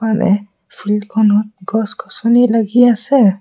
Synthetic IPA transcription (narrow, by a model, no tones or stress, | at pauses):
anʔɛ̰ | fɾidkʰɔnɔt̪̚ɡɔskʰɔsɔnilaɡiasɛ